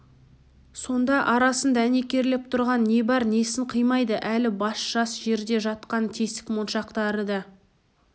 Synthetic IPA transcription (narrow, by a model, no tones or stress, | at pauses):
so̞nd̪ɑʔɑɾɑsənd̪ɑæne̞kʲe̞ɾlɪp̚t̪ʰʊɾʁɑnːe̞bɑɾne̞sɪɴqʰəjmɑjd̪əʔælɪbɑsʒ̥ɑsʒe̞ɾd̪e̞ʒɑt̪̚qɑnt̪ʲʰe̞st̪ɪ̥kmonʃɑqt̪ɑɾəd̪ɑ